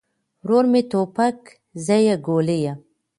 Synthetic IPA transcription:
ɾoɾmet̪opak | zajaɡoleja

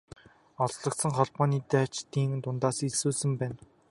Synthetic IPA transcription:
ɔɮɮɞ̆k̚t̪sə̆ŋχɔɮpɔːniːt̪æːt͡ɕt̪iːŋt̪ʊnt̪aːsiɮsuːsɘ̆mpæːn

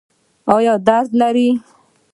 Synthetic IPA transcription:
ɑjɔd̪aɾd̪laɾi

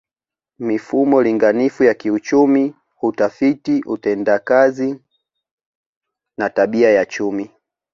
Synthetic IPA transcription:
mifumɔliŋɡanifujakiut͡ʃumi | hutafitiʔutɛndakazi | nataɓiajat͡ʃumi

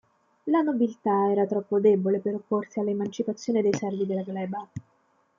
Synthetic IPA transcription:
lanobilt̪aɛːɾat̪ɾɔpːod̪ebolepeɾopːorsialːemant͡ʃipat̪sːjoːned̪ejsɛrvid̪elːaɡlɛːba

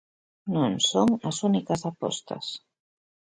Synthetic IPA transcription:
nõŋsoŋɐsunikɐsapɔ̰st̪ɐ̰s

